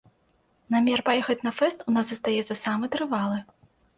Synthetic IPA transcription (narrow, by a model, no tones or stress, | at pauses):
namʲɛrpajɛxɐt͡sʲnɐfɛst̪unaszɐst̪ajɛt̪sɐsamɨt̪ɾɨvalˠɨ